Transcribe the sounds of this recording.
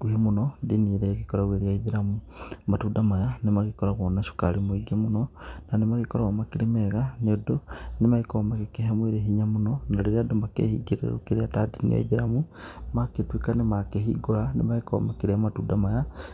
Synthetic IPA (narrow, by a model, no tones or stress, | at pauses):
ɡ̥uhemonodiniɾeɣikoɾaɣweɾiaiðiɾamu | matudamajanemaɣikoɾaɣonaʃu̥kaɾimwiɡamononanemaɣikoɾaomakiɾemeɣanodonemaikomakekeɦamweɾeɦiɲamononaliɾadomakḛhḭɡiɾḛɾo̰kiɾeatadinḭa̰iðiɾamumaketwikanemakehḭɡoɾanemaiko̰makiɾematuːdamaja